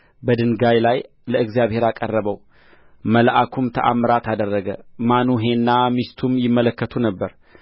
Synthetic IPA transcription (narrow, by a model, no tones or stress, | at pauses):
bəd̪ɨnɡajlaj | ləʔɨɡzjaβhe̞ɾakʼərːəβəw | məlʔakʰumt̪ʰəʔa̰mːɨɾat̪ʰad̪ərːəɡəmanuɦe̞nːamist̪ʰumjɪmːələkːət̪ʰunəbːəɾ